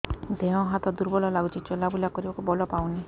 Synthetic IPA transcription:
d̪ẽɔ̃ɦat̪ɔd̪uɾbɔlɔlaɡut͡ʃʰit͡ʃɔlabulakɔɾibakubɔlɔpawni

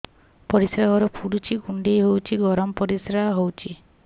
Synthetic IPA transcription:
pɔɾisɾaɦɔɾɔpʰuɽut͡ʃʰiɡuɳɖejɦowt͡ʃʰiɡɔɾɔmɔpɔɾisɾaɦaɦowt͡ʃʰi

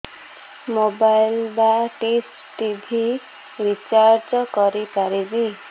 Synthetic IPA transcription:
mobajlbaʈis | ʈibʱi | ɾit͡ʃaɾd͡ʒɔkɔɾipaɾibi

